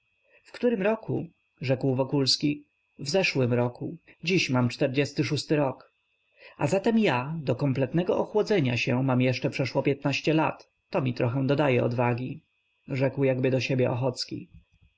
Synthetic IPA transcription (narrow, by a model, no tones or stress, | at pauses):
fkt̪uɾɘmɾɔkʰṵ | ʐɛkwvɔkulskʲi | vzɛʂwɘmɾɔkud͡ʑiɕmamt͡ʂt̪ɛɾd͡ʑɛst̪ɘʂ̬ust̪ɘɾɔk | ʔa̰zat̪ɛmjad̪ɔkɔmplɛt̪nɛɡɔʔɔxwɔd̪zɛɲaɕɛmamjɛʂt͡ʂɛpʂɛʂwɔpʲjɛt̪naɕt͡ɕɛla̰t̪ː | ɔmʲit̪ɾɔxɛ̃d̪ɔd̪ajɛɔ̰d̪vaɡʲi | ʐɛkwjaɡbɘd̪ɔɕebʲjɛʔɔ̰xɔt̪skʲḭ